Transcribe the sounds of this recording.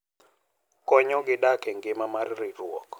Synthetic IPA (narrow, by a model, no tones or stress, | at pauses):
kɔɲɔɡɪɗakɛŋɡɪmamaɾirirwɔkɔ̥